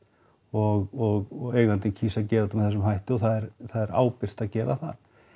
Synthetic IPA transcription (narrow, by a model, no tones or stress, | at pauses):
ɔɣɔɣeːjɣvant̪ɪcʰiːsacɛːɾat̪ʏmθɛs̬ːʏmɦajht̪ʏɔθaðɛɾθaðɛɾa̰ːwpɪr̥t̪aðcɛːɾa̰θa̰ð̥